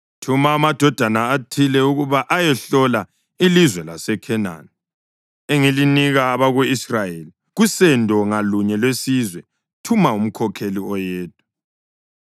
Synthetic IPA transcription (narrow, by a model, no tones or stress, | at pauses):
tʰumaːmad̥ʱɔd̥ʱanaːtʰilɛuɣuβaʔajɛɬɔla | ilizwɛlasɛkʰɛna̰ni | eŋeliniɣaːβaɣuisrajeli | ɣusɛndʱɔŋaluɲɛlwesizwɛ | tʰumaum̩kʰɔkʰeliɔjɛːt̚u̥